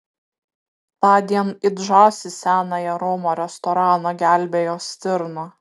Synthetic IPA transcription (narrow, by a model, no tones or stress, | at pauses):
t̪ɑːd̪ʲiɛnɪd̪ʒɑˑʊsʲɪsʲæːnɐjɛɾomoːɾʲɛst̪ɔɾɑːnoɡʲæˑlʲbʲeːjoːsʲt̪ʲɪɾno